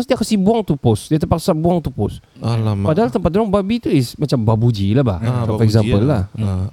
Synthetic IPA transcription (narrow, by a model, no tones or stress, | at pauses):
sdiakasibuaŋt̪upʊsdiat̪əpaksabuaŋt̪upʊs | alapadaɦalt̪əmpat̪̚dɾɔŋbabit̪uɪsmat͡ʃambabud͡ʒilahba̰ht͡ʃakaɛkzampəlːah